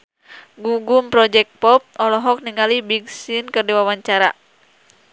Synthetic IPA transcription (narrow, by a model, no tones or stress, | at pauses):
ɡuɡumpɾɔd͡ʒɛk̚t̚pɔp̚ɔlɔɦɔk̚niŋalibiɡsinkərdiwawaɲt͡ʃaɾa